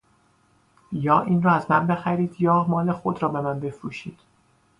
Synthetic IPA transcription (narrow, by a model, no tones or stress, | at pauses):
jɒːʔiːnrɒːæzmænbe̞xæɾiːd̪jɒːmɒːle̞xod̪ɾɒːbe̞mænbe̞fɾuːʃḭːd̪̥